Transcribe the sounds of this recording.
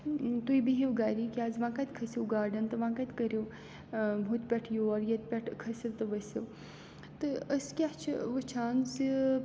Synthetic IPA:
t̪uibiɦiwɡaːɾikiaːzʋãːkat̪ʲkʰɐsiwɡaːɖɐnt̪ɨʋãːkat̪ʲkɐɾew | ɦut̪ʲpʲɐʈʰjoɔɾjɐt̪̚ʲpʲɐʈʰkʰɐsiʋt̪ɨʋɐsew | t̪ɨəskʲat͡ʃʰʋɨt͡ʃʰaːnz

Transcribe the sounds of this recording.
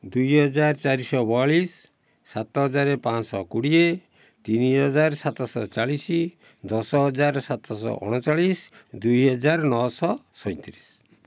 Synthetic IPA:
d̪ujɦɔd͡ʒaɾt͡ʃaɾisɔbɔɭisː | at̪ɔɦɔd͡ʒaɾepãt͡ʃsɔkuɽie | t̪iniɦɔd͡ʒaɾsat̪ɔsɔ̰t͡ʃaɭisi | d̪ɔsɔɦɔd͡ʒaɾsat̪ʰɔsɔ̰ʔɔ̰ɽ̃ɔt͡ʃaɭisd̪ujɦɔd͡ʒaɾnɔɔsɔsɔj̃t̪iɾis

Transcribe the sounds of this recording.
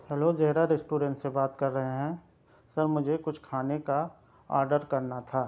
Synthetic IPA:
hɛlozɐɦɾaɾɛsʈuːɾɛ̃ːɳʈsebaːt̪kɐɾːɐɦeɦɛ̃ː | sɐɾmʊd͡ʒʱekʊt͡ʃʰkʰaːneka | a̰ːɾɖəɾkɐɾnat̪ʰaː

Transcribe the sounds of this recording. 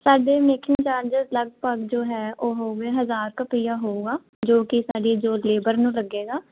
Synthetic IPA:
saːɖeːmeːkɪ̃ŋɡt͡ʃaːɾd͡ʒəzləɡ̚pəɡd͡ʒoːɦɛːoːɦoːʋeːɦəzaːɾkəpiːjaːɦoːuːɡaː | d͡ʒoːkɪsaːɖiːd͡ʒoːleːbəɾnũːləɡːeːɡaː

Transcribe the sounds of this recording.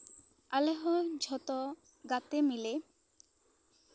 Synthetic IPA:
aleɦɔd͡ʑʱɔt̪ɔ | ɡat̪emile

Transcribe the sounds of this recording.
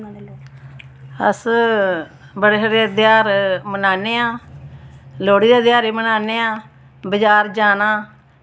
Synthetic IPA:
ə̰s | bəɽeːɦəɾeːd̪ɪjaːɾmənaːneːãː | loːɽiːd̪eːd̪ɪjaːɾeːmənaːneːãː | bəd͡ʒaːɾd͡ʒaːnaː

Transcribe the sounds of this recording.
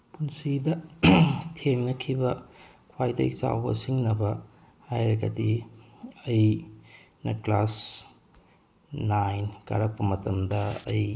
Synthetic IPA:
punsidɐ | tʰeŋnɐkʰibɐ | kʰwajdɐ̰t͡ʃa̰wbɐ̰siŋnɐbɐ | hajɾɐɡɐ̰di | ɐj | nɐklas | najnka̰ɾɐk̚pɐmɐtɐmdɐɐj

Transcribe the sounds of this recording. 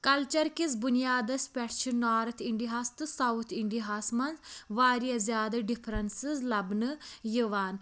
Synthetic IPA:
kɐlt͡ʃɐɾkisbʊnijaːd̪ɐspʲɛʈt͡ʃʰɨnaːɾɐt̪ʰiɳɖiɦast̪ɨsɐwt̪ʰɪɳɖiɦaːsmɐnzʋaːɾijazjaːd̪ɐɖɪpʰɾɐnsizlɐbnɨjiʋaːn

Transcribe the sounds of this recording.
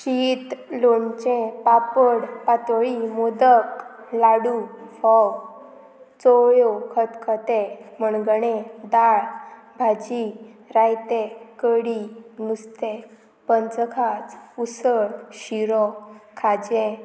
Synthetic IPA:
kit̪lont͡ɕɛ̃papəɽpat̪əɭimod̪ək | laɽufɔw | t͡sɔjokʰət̪kʰət̪eməɳɡəɽed̪aɭ | bʱad͡ʑiɾajt̪ekəɽimust̪e | pənt͡səkʰat͡susəɽɕiɾɔkʰad͡ʑɛ̃

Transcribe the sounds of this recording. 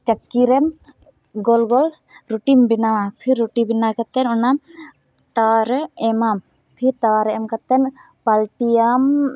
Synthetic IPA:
t͡ʃəkːiɾɛm | ɡɔlɡɔl | ɾuʈimbinawapʰiɾːuʈibinakɛt̪ɛnɔna | t̪aɾɛɛmam | pʰiɾt̪aɾɛɛmkat̪ɛn | palʈijam

